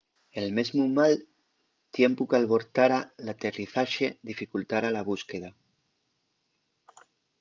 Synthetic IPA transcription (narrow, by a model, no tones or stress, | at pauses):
elmezmumal | t̪jempukalβo̞ɾt̪aɾalat̪eriθaʃeðifikult̪aɾalaβ̞uskeð̞a